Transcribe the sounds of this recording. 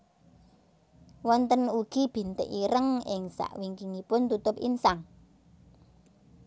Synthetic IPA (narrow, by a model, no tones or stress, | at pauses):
wɔnt̪ənuɡ̥i̤b̥i̤nt̪ə̰ʔiɾəŋɪŋsa̰ʔwiŋkiŋipʊnt̪ut̪ʊpḭnsaŋ